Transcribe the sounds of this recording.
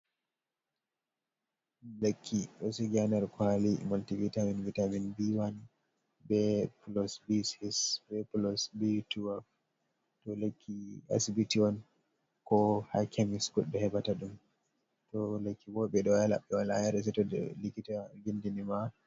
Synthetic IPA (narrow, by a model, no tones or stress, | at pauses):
lekʰːiɗɔsiɡanɛɾkalimaltivitaminvitaminbiwan | bɛplɔsbisisbɛplɔsbituaf | tɔlekʰːia̰sibitiɔn | kɔhakʰemiskutbɛhɛbataɗum | tɔlekʰːibɔɓɛɗɔjala̰ɓːɛwala̰jaɾɛs̬ɛtɔdɛ̰likitaɡindinima